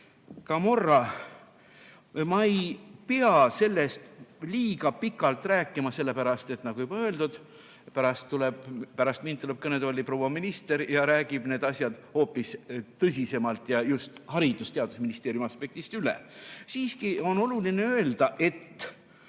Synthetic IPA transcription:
kɑmo̞rːɑ | mɑejpeɑse̞lːest̪liːɡɑpikːˑɑlt̪ːˑræːkːˑimɑse̞lːe̞pæɾɑst̪e̞t̪ˑnɑɡ̥ujub̥ɑøe̞ld̪ud̪̥ | pæɾɑst̪ːuleb̥pæɾɑst̪mind̪t̪ule̞b̥̚kɤned̪olːiproːwɑminist̪e̞ɾjɑɾæːɡib̥ne̞ːd̪ɑsʲjɑd̪̥ho̞ːpːˑist̪ɤs̬ʲise̞mɑlt̪ˑjɑjust̪hɑɾid̪ust̪eɑd̪̥usminist̪eːɾjumɑspe̞k̚t̪ist̪ylḛsiːskio̞no̞lulineø̞eld̪̥ɑʔe̞t̪ː

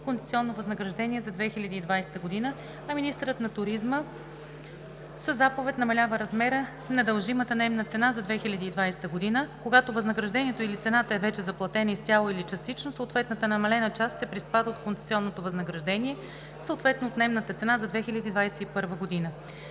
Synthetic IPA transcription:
konɛ̥siɔnːovɐznəɡɾɐʒd̪ɛnʲiɛzɐd̪vɛxilʲɐd̪iːd̪vajsɛ̥t̪əɡod̪inə | ɐminist̪əɾət̪nɐt̪ʊɾizmə | səzapovɛt̪ʲnɐmɐlʲavəɾɐzmɛɾə | nɐd̪əlˠʒimət̪ənɛmnət̪sɛnazɐd̪vɛxilʲɐd̪iːd̪vajsɛ̥t̪əɡod̪inəkoɡat̪ovɐznəɡɾɐʒd̪ɛniɛt̪oilit̪sɛnat̪əɛvɛt͡ʃɛzɐplˠɐt̪ɛnəist̪ʲjalˠoilit͡ʃɐst̪it͡ʃnosoot̪vɛt̪nət̪ənɐmɐlɛnət͡ʃast̪sɛpɾispad̪ot̪kont̪sɛ̥siɔnːot̪ovɐznəɡɾɐʒd̪ɛniɛ | səot̪vɛt̪noːt̪nɛmnət̪ət̪sɛnazɐd̪vɛxilʲəd̪iːd̪vajsɛt̪ipɤɾvəɡod̪inə

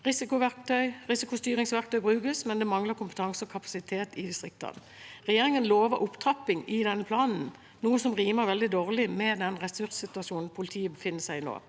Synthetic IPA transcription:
ʁɪsɪkʊʋæʁk̚t̪ʰœʏʁɪsɪkʊst̪yːʁɪŋsʋæʁk̚t̪œʏbʁʉːkəsmɛnd̪ɛmɑŋləkʰʊmpət̪ʰɑŋsəɔkʰɑpɑ̥sɪt̪ʰeːt̪ɪd̪ɪst̪ʁɪk̚t̪ʰɑ̰n | ʁɛjeːʁɪŋənloːʋəɾʔʊpt̪ʰɑpːɪŋɪd̪ɛnːəpʰlɑːnn̩ | nuːəsɔmʁiːməʁʋɛld̪ɪd̪oːʁlɪmɛd̪ɛnʁɛsʉɾssɪt̪ʉɑʃuːnn̩pʰʊlɪt̪ʰiːəbəfɪnːəsæɪno̰ː

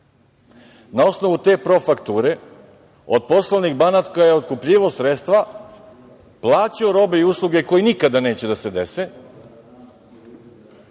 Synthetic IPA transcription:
nao̞sno̞ʋut̪e̞ːpɾo̞fakt̪uːɾe̞ | od̪̚po̞sloʋniɣbanat̪kajeo̞t̪̚kupʎiʋosɾet̪st̪ʋa | plˠaːt͡ɕio̞ɾo̞be̞iuslˠuɡe̞ko̞jinikad̪ane̞ːt͡ɕe̞d̪ased̪e̞se̞

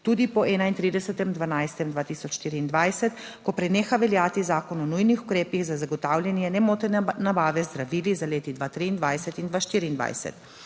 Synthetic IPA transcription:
t̪uːd̪ipɔɛːnaint̪ɾiːd̪ɛsɛt̪ɛmd̪ʋanajst̪ɛmd̪ʋaːt̪iːsɔt͡ʃʃt̪iːɾiːnd̪ʋajsɛt̪ | kɔpɾɛneːxaʋɛljaːt̪izaːkɔnɔnujnixukɾeːpiɣzazaɡɔt̪aːwlʲjanjɛnɛmoːt̪ɛnnabaːʋɛzd̪ɾaʋiːlizaleːt̪id̪ʋat̪ɾiːnd̪ʋajsɛt̪ind̪ʋaʃt̪iːɾiːnd̪ʋa̰jsɛ̰t̪

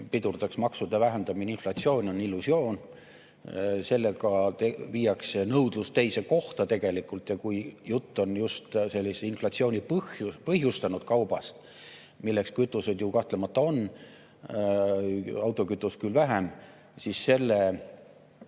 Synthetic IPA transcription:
pid̪urd̪̥ɑksmɑksud̪ɑvæɦend̪ɑmininflɑt̪sio̞ːnʲo̞nilːusio̞ːn | se̞lːe̞ɡɑt̪evijɑksenɤwd̪̥lust̪e̞jse̞ko̞ht̪ɑt̪e̞ɡ̥e̞likˑult̪jɑkujjut̪ːo̞njust̪se̞lʲːiseinflɑt̪sio̞ːnʲipɤhjupɤhɦjust̪ɑnud̪̥̚kɑwb̥ɑst̪ | milːe̞kskyt̪ːˑuse̞d̪jukɑht̪lemɑt̪ːˑɑo̞n | ɑwt̪ːˑo̞kyt̪ːˑuskylvæɦem | sisːe̞lːe

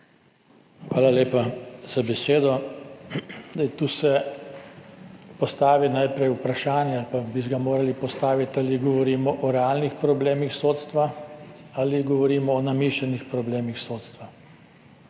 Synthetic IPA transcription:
xʋaːlaleːpaz̥abɛseːd̪ɔ | ajt̪uːsɛ | pɔst̪aːʋinajpɾɛjupɾaʃaːnjɛalpabisɡamoːɾalipɔst̪aːʋit̪aliɡɔʋɔɾiːmɔʔɔɾɛalnixpɾɔbleːmixsoːt̪st̪ʋa | aliɡɔʋɔɾiːmɔːnamiːʃanixpɾɔbleːmixsoːt̪st̪ʋa

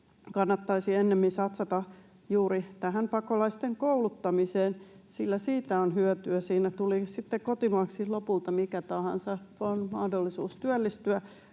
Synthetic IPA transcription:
kɑnːɑt̪ːɑisienːemːinsɑt̪sɑt̪ɑ | juːɾit̪æɦæmpɑkolɑist̪eŋkoulut̪ːɑmiseːnsilːæsiːt̪æonhyœt̪yæsiːnæt̪ulisit̪ːekot̪imɑːˑksilopult̪ɑmikæt̪ɑhɑ̰nsɑonmɑhdolːisuːst̪yælːist̪yæ

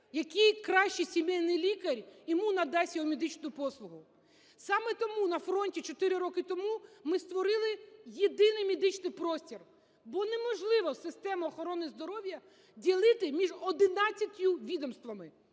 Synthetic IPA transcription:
jɐkijkɾɑʃt͡ʃisʲimɛjnɪjlʲikɐɾʲjɔmunɐd̪ɑsʲjɔɦɔmʲed̪ɪt͡ʃnʊjʊpɔslˠʊɦʊ | sɑmɛt̪ɔmunɐfɾɔnʲtʲit͡ʃɔt̪ɪɾɪɾɔkɪt̪ɔmumɪst̪ʋɔɾɪlˠɪjed̪ɪnɪjmʲed̪ɪt͡ʃnɪjpɾɔsʲtʲir | bɔnemɔʒlˠɪʋɔsɪst̪ɛmɐɔxɔɾɔnɪzd̪ɔɾɔwʲjɐ | dʲilˠɪt̪ɪmʲiʒɔd̪ɪnɑt͡sʲːɐt̪ʲjʊʋʲid̪ɔmst̪ʋɐmɪ

